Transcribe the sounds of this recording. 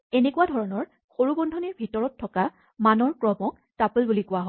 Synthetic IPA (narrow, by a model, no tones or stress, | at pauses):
enekuwadʱɔɹɔnɔɹ | xoɹubɔndʱɔniɹbʱitɔɹɔtʰːɔka | manɔɹkɹɔmɔk | tapulbulikʊwaɦɔ